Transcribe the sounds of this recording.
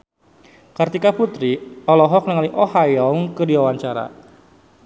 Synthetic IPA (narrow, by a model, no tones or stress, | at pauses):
kart̪ikaput̪ɾiɔlɔɦɔk̚nəŋaliʔɔhajɔŋkɨdiwawaɲt͡ʃaɾa̰